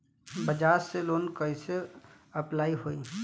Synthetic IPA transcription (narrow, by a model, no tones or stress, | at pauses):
bəd͡ʒaːɾseloːnkəise | ɐplaːiɦoːiː